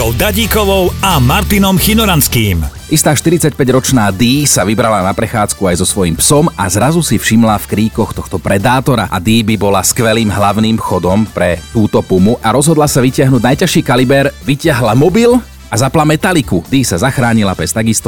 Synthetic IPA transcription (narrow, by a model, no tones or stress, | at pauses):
ɔʊd̪aɟiːkɔʋɔʊamaɾt̪inɔmxinɔɾanskiːmʔist̪aːʃt̪iɾit͡sac̚pɛɟɾɔt͡ʃnaːd̪iːsaʋibɾalanapɾɛxaːt͡skuajzɔsʋɔjimpsɔmazɾazusifʃimlafkɾiːkɔxt̪ɔxt̪ɔpɾɛd̪aːt̪ɔɾa̰ʔa̰d̪iːbibɔlaskʋɛliːmɦlaʋʊniːmxɔd̪ɔmpɾɛt̪uːt̪ɔpumuʔaɾɔzɦɔd̪lasaʋicɪaɦnuːɟnajcaʃiːkalibɛɾʋicɪaɦlamɔbil | azaplamɛt̪alikud̪iːsazaxɾaːɲilapɛst̪aɡist̪ɔ